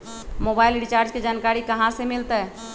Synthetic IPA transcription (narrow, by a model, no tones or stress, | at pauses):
mobailɖit͡ʃaɾd͡ʒked͡ʒankaɾikəɦãsemilt̪ɛ